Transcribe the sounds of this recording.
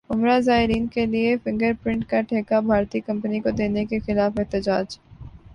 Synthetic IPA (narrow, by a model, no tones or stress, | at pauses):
ʊmɾazaːɦɪɾiːnkeliefɪ̃ŋɡəɾpɾɪ̃ɳʈkaʈʰeːkabʱaːɾt̪ikɐ̃mpənikod̪eːnekexɪlaːfɪɦt̪ɪd͡ʒaːd͡ʒ